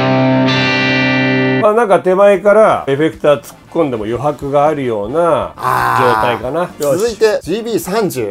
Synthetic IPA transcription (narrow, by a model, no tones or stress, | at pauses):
maːnãŋkat̪e̞maekaɾae̞ɸe̞kɯ̟̥t̪at͡sɨ̥kːõnd̪e̞mo̞jo̞ɦakɯ̟ɡaːɾɯ̟jo̞ːnad͡ʑo̞ːt̪aikanaozɨit̪e̞d͡ʑiːbʲiːsãɲd͡ʑɨː